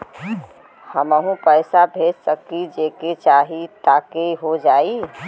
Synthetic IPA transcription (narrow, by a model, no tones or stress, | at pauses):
həməɦũpəɪsabʱed͡ʒsəkid͡ʒeket͡ʃaɦit̪akeɦod͡ʒai